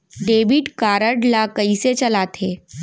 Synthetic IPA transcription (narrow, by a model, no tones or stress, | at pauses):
ɖeːʋiʈkaːɾəɖlakəiset͡ʃɐlaːt̪ʰeː